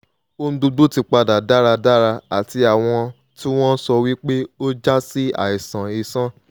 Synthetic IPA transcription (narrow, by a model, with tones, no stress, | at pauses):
o˦n̩˦du˧du˦ti˧k͡pa˧da˨da˦ɾa˧da˦ɾa˧a˨ti˧a˨w̃ɔ̃˧ | tĩ˦w̃ɔ̃˦sɔ˧wi˦k͡pe˦o˦d͡ʒa˦si˦a̰˦˨i˨sã˨i˨sã˦